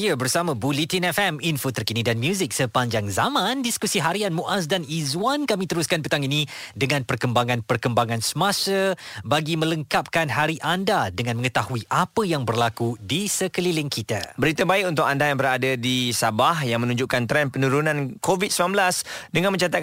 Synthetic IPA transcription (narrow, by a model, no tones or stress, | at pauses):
iəbərsamãbulit̪inɛfɛminfot̪ərkinidanmjuzɪk̚səpaɲd͡ʒaŋzamãndiskusiɦaɾianmuʔas̬danizwankamĩt̪əɾuskanpət̪aŋinidəŋãnpərkəmbaŋãnpərkəmbaŋãnsəmãsəbaɡimə̃ləŋkap̚kanɦaɾiʔandadəŋãnmə̃ŋət̪ahuiʔapəjaŋbərlakudisəkəlilɪŋkʰit̪a̰bəɾit̪əbaɪk̚unt̪ʊk̚andajaŋbəɾadadisabahjaŋmə̃nũɲd͡ʒuʔkant̪ɾɛnpənuɾunãnkovit̪̚səmlanbəlasdəŋanmə̃ɲt͡ʃat̪at̚